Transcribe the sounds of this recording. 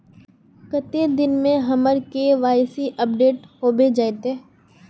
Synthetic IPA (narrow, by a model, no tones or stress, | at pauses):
kət̪ed̪ɪnmẽɦɐməɾkeʋaːjsiʔəp̚ɖeːʈhoːbed͡ʒaːet̪eː